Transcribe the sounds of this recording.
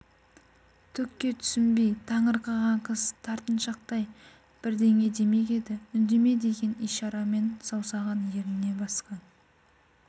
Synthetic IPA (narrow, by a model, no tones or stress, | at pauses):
t̪ʰʏkʲːe̞t̪ʰʏ̥sɪmbejt̪ʰɑɴəɾqɑʁɑɴqʰəzt̪ʰɑɾt̪ənʃɑq̚t̪ɑj | b̥ɪɾd̪e̞ŋe̞d̪e̞me̞kʲe̞d̪ɪʏnd̪e̞me̞d̪e̞ɡʲe̞nijʃɑɾɑme̞nsɑwsɑʁɑnje̞ɾɪne̞bɑsqɑn